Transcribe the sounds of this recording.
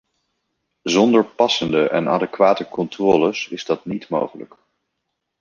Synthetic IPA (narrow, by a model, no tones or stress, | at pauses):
zɔndəɹpɑsəndəʔɛ̰naːdəkʋaːtəkɔntrɔːləsɪ̰zdɑtnitmo̰wχələ̰k